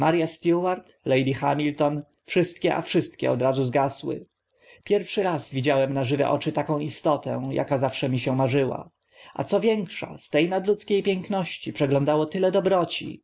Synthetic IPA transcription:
maɾjast̪juwaɾt̪lɛjd̪ixamʲilt̪ɔn | fʂɘst̪̚kʲɛʔa̰fʂɘst̪kʲɛ̰ɔd̪ɾazuzɡaswɘ̰ | pʲjɛɾfʂɘɾazvʲid͡ʑawɛmnaʐɘvɛ̰ʔɔt͡ʂɘt̪akɔ̃w̃ist̪ɔt̪ɛ̰̃jʔa̰kazafʂɛmʲiɕɛmaʐɘwa̰ | ʔa̰t̪sɔvʲjɛŋkʂa̰st̪ɛjnad̪lut̪skʲejpʲjɛŋknɔɕt͡ɕipʂɛɡlɔ̃nd̪awɔt̪ɘlɛd̪ɔbɾɔt͡ɕḭ

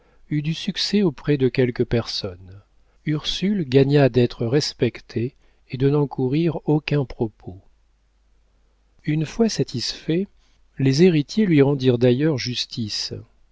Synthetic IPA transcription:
yd̪ysyksɛopχɛd̪əkʲɛlkəpɛʁsɔn | yʁsylɡaɲad̪ɛt̪χəʁɛspɛkt̪ʰeː | d̪ənɑ̃kʰuʁiʁokʲɛ̃pχɔpʰo | ynfwasat̪ʰisfɛ | lezeʁit̪jelɥiʁɑ̃d̪iʁd̪ajœʁʒyst̪ʰis

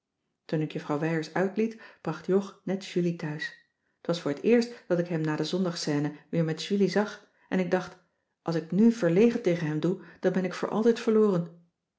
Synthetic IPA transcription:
tunɪkjəfrɑwʋɛjəɹsœɥtlitb̥rɑχtjɔχnɛtʃylitœɥs | ətʋɑsfʊːɹətɪːɹstd̥ɑtɪkɦɛmnaːdəzɔndɑχsɛːnəʋɪːɹmɛtʃylizɑχ | ʔɛnɪɡ̚dɑχt | ʔɑlˠsɪknyv̥əɹlejχəntejχənɦɛmdud̥ɑnbɛnɪkfʊ̰ːɹʔɑ̰lˠtɛjtfəɹlʊːrən

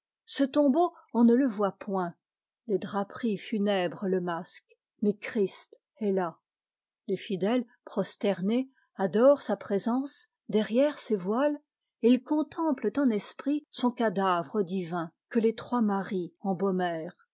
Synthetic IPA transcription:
sət̪ɔ̃bo | ɔ̃nələvwapwɛ̃ | d̪ed̪ʁapχifynɛbʁələmask | mɛkχist̪ | ɛla | lefid̪ɛl | pχɔst̪ɛʁne | ad̪ɔʁsapχezɑ̃s | d̪ɛʁjɛʁsevwal | ilkɔ̃t̪ʰɑ̃plət̪ɑ̃nɛspχisɔ̃kad̪avʁəd̪ivɛ̃kəlet̪χwamaʁiɑ̃bomɛːʁ

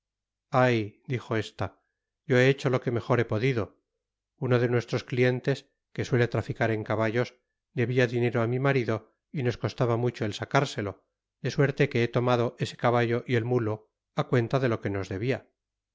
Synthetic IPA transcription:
ajd̪ixo̞e̞st̪a | ɟ͡ʝo̞eet͡ʃo̞lo̞ke̞me̞xo̞ɾe̞po̞ðiðo̞ | uno̞ðe̞nwe̞st̪ɾo̞sklie̞nt̪e̞s | ke̞swe̞let̪ɾafikaɾe̞ŋkaβaʝo̞s | d̪e̞βiaðineɾo̞amimaɾiðo̞ | ino̞sko̞st̪aβamut͡ʃo̞elsakaɾse̞lo̞ | d̪e̞swe̞ɾt̪e̞ke̞et̪o̞mað̞o̞ʔe̞se̞̥kaβaʝo̞ʔie̞lmulo̞ | akwe̞nt̪aðe̞lo̞ke̞no̞zðe̞βia

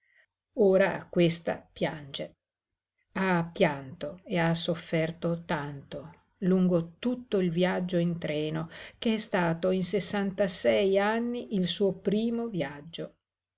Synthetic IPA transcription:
oːɾakwest̪a̰pjand͡ʒe | apːjant̪oeasːofːɛrt̪ot̪ant̪o | luŋɡot̪ut̪ːoilvjad͡ʒːoint̪ɾɛːnokeɛst̪aːt̪oinsesːant̪asɛjanːiʔilsuːopɾiːmovjad͡ʒːo

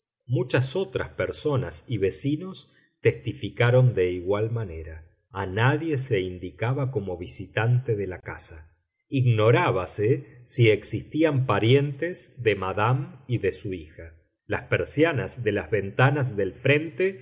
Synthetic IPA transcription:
mut͡ʃaso̞t̪ɾa̰speɾso̞nasiβe̞sino̞s | t̪est̪ifikaɾo̞nd̪e̞iɣwalmane̞ɾa | anaðjeseind̪ikaβako̞mo̞βisit̪ant̪eðelaka̰sa | iɣno̞ɾaβasesieksist̪iampaɾje̞nt̪ezðemaðamiðesuixa | laspeɾsjanazðe̞lazβe̞nt̪anaz̬ðe̞lfɾe̞nt̪e

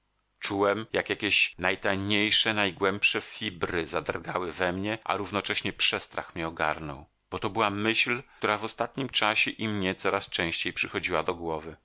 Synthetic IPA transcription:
t͡ʂuwɛmjakjakʲɛɕnajt̪ajɲejʂɛnajɡwɛmpʂɛfʲibɾɘzad̪ɾɡawɘvɛmɲɛʔa̰ɾuvnɔt͡ʂɛɕɲɛpʂɛst̪ɾa̰xmʲɲɛɔɡa̰ɾnɔ̰w | b̥ɔt̪ɔbɘwamɘɕlt̪uɾavɔst̪at̪̚ɲimt͡ʂaɕɛʔimɲɛt̪sɔɾast͡ʂɛ̃w̃ɕt͡ɕejpʂɘxɔd͡ʑiwad̪ɔɡwɔvɘ

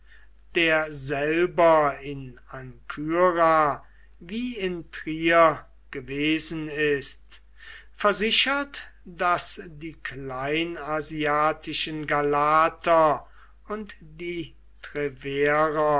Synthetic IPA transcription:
d̥eːɐzɛlbɐɪnaŋkʰyʁa | viːɪntʁiːɐ | ɡ̥əveːzn̩ɪst | fɛɐzɪʃɐtd̥asdiːklaɪnaziaːtʰɪʃənɡalaːtʰɐ | ʊnt | d̥iː | tʁɛveːʁɐ

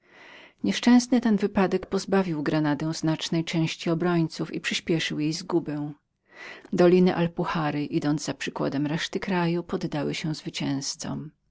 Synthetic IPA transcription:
ɲɛʂt͡ʂɛ̃w̃snɘt̪ɛnvɘpad̪ɛkpɔzbavʲiwɡɾanad̪ɛ̃w̃znat͡ʂnɛjt͡ʂɛ̃w̃ɕt͡ɕiɔbɾɔɲt̪sufḭpʂɘɕpʲjɛʂɘwjejzɡubɛw̃ | d̪ɔlʲinɘʔalpuxaɾɘʔid̪ɔnzzapʂɘkwa̰d̪ɛmɾɛʂt̪ɘkɾajupɔd̪ːawɘɕɛw̃zvɘt͡ɕɛ̃w̃st̪sɔ̰m

